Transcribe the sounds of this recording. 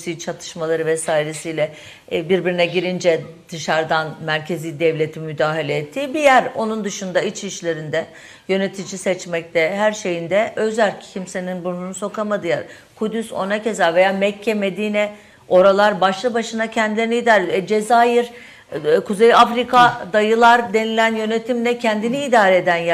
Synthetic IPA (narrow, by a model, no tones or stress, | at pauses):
sijt͡ʃʰat̪ʰɯ̥ʃmalˠaɾɯvɛsaːiɾesiːlʲɛ | biɾbiɾinɛɟiɾind͡ʒɛd̪̥ɯʃaɾd̪anmæɾcʰe̞ziːd̪ɛvlʲe̞t̪ʰimyd̪aːɦelʲeːt̪ʰːiːbijæɾo̞nund̪ɯʃund̪ait͡ʃiʃlʲe̞ɾind̪ɛ | jø̞ne̞t̪ʰid͡ʒisɛt͡ʃmɛc̚t̪ʰɛhæɾʃe̞jind̪ɛʔø̞zælʲccʰimse̞ninbununuso̞kʰamad̪ɯja̰ɾ | kʰud̪yso̞̰nace̞zaɾve̞jaːmɛcʰːɛme̞d̪iːnɛ | o̞ɾalˠaɾbaʃlˠɯbaʃɯnacʰɛnd̪ilʲe̞ɾiniːd̪aːɾeɛd͡ʒe̞zaːjiɾ | kʰuzejafɾikʰad̪ajɯlˠaɾd̪e̞nilʲænjø̞ne̞t̪ʰimlʲɛcʰɛnd̪iniːd̪aːɾɛed̪ænj